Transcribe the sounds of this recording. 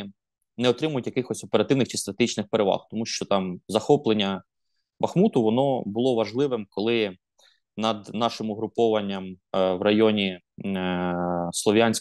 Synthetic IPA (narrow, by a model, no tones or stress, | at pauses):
nɛɔt̪ɾɪmʊjʊtʲjɐkɪxɔsʲɔpeɾɐt̪ɪʋnɪxt͡ʃi̥st̪ɾɐt̪eɦit͡ʃnɪxpeɾeʋɑ̰xt̪ɔmuʃt͡ʃɔt̪ɑmzɐxɔplˠenʲːɐ | bɐxmut̪ʊʋɔnɔbʊlˠɔʋɐʒlˠɪʋɪmkɔlˠɪ | nɐd̪nɑʃɪmʊɦɾʊpɔʋɐnʲːɐmʋɾɐjɔnʲi | slˠɔʋʲjanʲsʲ